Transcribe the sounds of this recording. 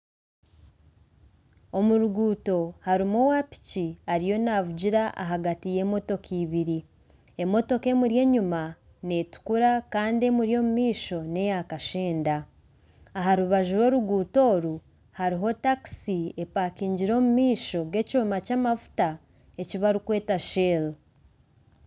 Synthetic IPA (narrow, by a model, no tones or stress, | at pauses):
o̞muɾuɡuːto̞haɾimowapi̥ciaɾijo̞naβuɟiɾaʔa̰ɦaɡatije̞ːmo̞to̞kʰiːβiɾi | e̞mo̞to̞ke̞muɾje̞ːɲuma | ne̞tu̥kuɾakaːndie̞muɾjo̞ːmumiːʃo̞ne̞jakaʃeːndaː | ɦaɾuβaʒuɾo̞ːɾuɡuːto̞ːɾu | haɾiɦo̞taki̥siepaːkiːɲɟiɾo̞ːmumiːʃo̞ɡe̞coːmacaːmavu̥ta | e̞ciβaɾikwe̞ːtaʃel